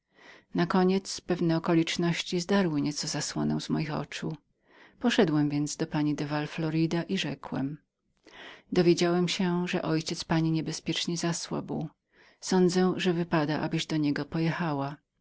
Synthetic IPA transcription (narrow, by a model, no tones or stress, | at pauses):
nakɔɲɛt̪spɛvnɛɔkɔlʲit͡ʂnɔɕt͡ɕizd̪aɾwɘɲɛt̪sɔzaswɔ̰nɛ̰w̃zmɔ̰jixɔ̰t͡ʂu | pɔʂɛd̪wɛmvʲjɛnd̪zd̪ɔpaɲid̪ɛvalflɔɾid̪aʔiʐɛkwɛ̰m | d̪ɔvʲjed͡ʑawɛmɕɛʐɛ̰ʔɔjt͡ɕɛt̪spaɲiɲɛbɛspʲjɛt͡ʂɲɛzaswa̰buw | sɔnd̪zɛʐɛvɘpad̪aʔa̰bɘʑd̪ɔɲɛɡɔpɔjɛxawa